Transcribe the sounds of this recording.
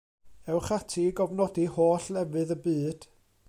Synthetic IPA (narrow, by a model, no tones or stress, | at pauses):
ɛwχatʰiɡɔvnɔdihoːɬɛvɨðəbɨːd̥